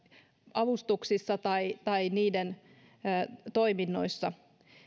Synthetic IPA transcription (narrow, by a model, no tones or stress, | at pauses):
ɑʋust̪uksisːɑt̪ɑit̪ɑiniːdenː | t̪o̞iminːo̞̰isːɑ